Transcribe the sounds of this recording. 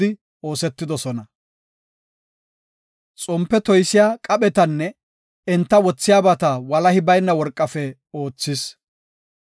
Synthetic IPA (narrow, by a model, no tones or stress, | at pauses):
ɪ | o̞ːsɛt̪ːɪd̪ɔsɔnɐ | t͡sʼɔmpːɛt̪ɔjsɪjaːkʼɐɓɛt̪ɐnːɛ | ɪnt̪ːɐwɔt͡sːɪjaːbɐt̪ɐwɐlɐhɪbɐjnːɐwɔɾkʼːɐfɛ | o̞ːt͡sːɪs